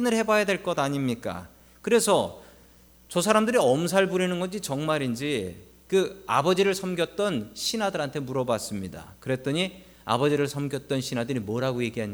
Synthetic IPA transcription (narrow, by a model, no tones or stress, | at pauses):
inɯɭhe̞bajadwe̞ɭk͈ʌdaɲimɲik͈a̰ | kɯɾe̞sʰʌ | t͡ɕʌs̬ʰaɾamdɯɾiʌmsʰaɭbuɾinɯnɡʌd͡ʑit͡ɕʌŋmaɾind͡ʑi | kɯa̰bʌd͡ʑiɾɯɭsʰʌmɡjʌt̚t͈ʌnɕʰinadɯɾɦantʰe̞muɾʌbwas͈ɯmɲida̰kɯɾe̞t͈ʌɲi | a̰bʌd͡ʑiɾɯɭsʰʌmɡjʌt̚t͈ʌnɕʰinadɯɾimwʌɾɦaɡoje̞ɡiɦaɲ